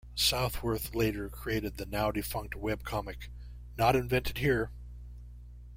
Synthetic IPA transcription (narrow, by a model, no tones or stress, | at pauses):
saʊθwə˞θleɪɾə˞kʰɹ̥ieɪɾɨd̪̚ðɨnaʊdɨfʌ̃ŋk̚t̚wɛb̚kʰɑmɨk | nəɾɨ̃ɱvɛ̃ntʰɨd̚hiɹ